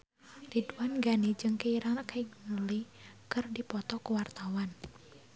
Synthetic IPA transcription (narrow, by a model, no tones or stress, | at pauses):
riduanɡanid͡ʒɨŋkeiɾaŋrakaiŋmulikɨrdipɔt̪ɔkəwart̪awan